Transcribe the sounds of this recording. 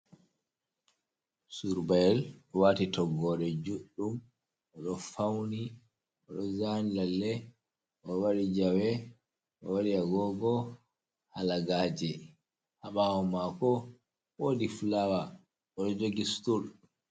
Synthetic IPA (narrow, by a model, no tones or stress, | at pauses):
suɾbaɛlɔwaːtitɔɡɔɗɛd͡ʒuɗːum | ʔɔɗɔfawni | ʔɔɗɔzanilalːɛ | ʔɔwaɾid͡ʒawɛ | ʔɔwaɾiaɡɔɡɔ | halaɡaːd͡ʒɛ | haɓaɔmakɔ | woːdiflawa | ɔɗɔd͡ʒoɡistul